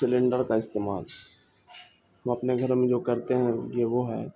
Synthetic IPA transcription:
sɪlẽɳɖəɾkaɪst̪eːma̰ːl | ɦɐmɐpneɡʱɐɾmẽd͡ʒoːkɐɾt̪eɦɛ̃jeʋoɦɛ̰ː

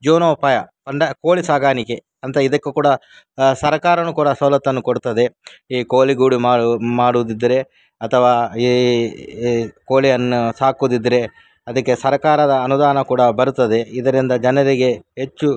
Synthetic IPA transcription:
d͡ʒoːnɐupaːjɐpɐɳɖɐkoːlisaːɡaːnike | ɐnt̪ɐid̪ɐkːekuːɽɐ | sɐɾɐkaːɾɐnukuːɽɐsɐːlɐt̪ːɐnːukoɽut̪ːɐd̪e̞iːkoːliɡuːɽimaːmaːɽud̪id̪ːɐɾe̞ | ɐt̪ʰɐʋaːi | koːlijɐnːusaːkud̪id̪ːɐɾe̞ | ɐd̪ɐkːe̞sɐɾɐkaːɾɐd̪ɐːnud̪aːnɐkuːɽɐbɐɾut̪ːɐd̪e̞id̪ɐɾind̪ɐd͡ʒɐnɐɾiɡe̞ɦet͡ʃːu

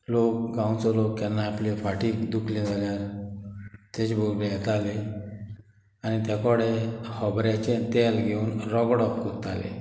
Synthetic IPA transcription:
lok̚ɡãw̃t͡sɔlokt̪ɛnːaaplifaʈiːkd̪ukʰlɛ̃d͡zʱaljaɾ | t̪et͡ɕbʱoɾljɛt̪ale | añit̪jakɔɽehɔbɾjat͡ɕẽt̪elɡʱeuːnɾɔɡɽɔpkɔɾt̪a̰lḛ

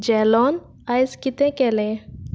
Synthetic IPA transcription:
d͡ʒɛlɔn | ajskit̪ẽkɛlɛ̃

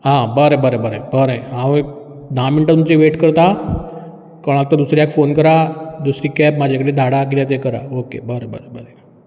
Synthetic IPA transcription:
ɦãbəɾebəɾebəɾəbəɾẽɦãʋi | d̪ʱãmiɳʈat̪umt͡ɕeʋeʈkəɾt̪a | kãak̚t̪ad̪usɾiɛkfonkəɾad̪usɾiːkɛpmad͡ʑʱakəɽed̪ʱaɽak̬iat̪ekəɾa̰okḛbəɾəbəɾebəɾe

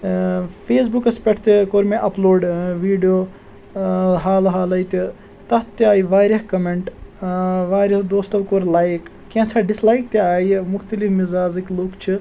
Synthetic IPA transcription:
pʰeːsbukɐspʲeʈʰt̪ekoɾmẽʔɐploːɖʋiːɖijoː | ɦaːlɦaːlɐjt̪i | t̪ɐt̪iaːjʋaːɾʲɐɦkɐmeɳʈ | ʋaːɾɐɦd̪oːst̪ɐʋkoɾlaːjk | kːẽt͡ʃʰaɖislaːjkt̪eaːjmʊxt̪ɐlifmizaːziklukt͡ʃʰi

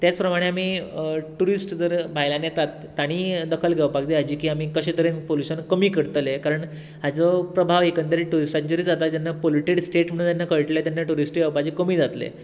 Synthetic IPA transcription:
t̪jat͡spɾəmaɽ̃eamiːʈuɾisʈd͡zəɾbʱajlãnjet̪at̪ːaɽ̃iːd̪əkʰəlɡʱɛʋpakd͡ʑead͡ʑiːkiːamiːkəɕet̪əɾenpoluɕənkəmiːkəɽt̪əlekaɾəɳ | ad͡zəpɾəbʱaʋekənt̪əɾiʈuɾisʈãɲt͡ɕəɾiːd͡zat̪ajanːapoliʈeɽsʈeʈm̤əɽũnt̪janːakəɭʈlet̪janːaʈuɾisʈɡʱaʋpad͡ʑikəmiːd͡zat̪lḛ

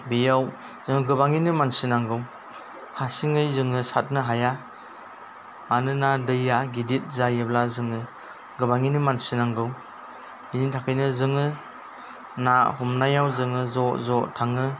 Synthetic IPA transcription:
bijaw | z̥ɯŋɯɡɯbaŋinɯmansinaŋɡɯw | hasiŋɯjzɯŋɯsat̚nɯɦaja | anɯnadɯjaɡidit̚zajɯblazɯŋɯ | ɡɯbaŋinɯmansinaŋɡɯw | initʰakʰɯjnɯzɯŋɯ | nahɔmnajawzɯŋɯzɔzɔtʰaŋɯ

